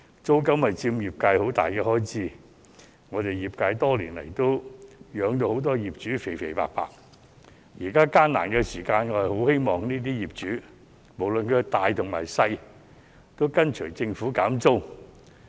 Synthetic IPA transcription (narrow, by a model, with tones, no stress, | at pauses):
t͡so˥wkɐ˥mhɐ˨jt͡siː˧mjiː˨p̚kaː˧jho˨˥wt̪a̰ː˨jkɛː˧hɔː˥jt͡siː˥ | ŋɔː˨˧t̪e˨jjiː˨p̚kaː˧jt̪ɔː˥liː˨˩nlɐ̰˨˩jt̪o˥wjœː˨˧ŋt̪o˧who˨˥wt̪̬ɔː˥jiː˨p̚t͡ʃyː˨˥fe˨˩jfe˨˩pa̰ː˧k̚pa̰ː˧k̚ | jiː˨˩kaː˥kaː˥nna̰ː˨˩nkɛː˧siː˨˩kaː˧nŋɔː˨˧˥hɐ˨jho˨˥whe˥jmɔː˨ŋniː˥t̪iː˥jiː˨˩p̚t͡ʃyː˨˥ | mo˨˩wlɵ˨nkːt̪aː˨jt̪ʰʊ˨˩ŋmaː˨˩jsɐ˧j | t̪o˥wkɐ˥nt͡ʃʰɵ˨˩t͡sɪ˧ŋfuː˨˥kaː˨˥mt͡so˥w